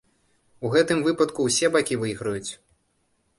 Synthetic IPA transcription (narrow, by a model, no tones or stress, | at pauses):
uɣɛt̪ɨmvɨpɐt̪kuwsʲɛbakʲivɨɣɾɐjut͡sʲ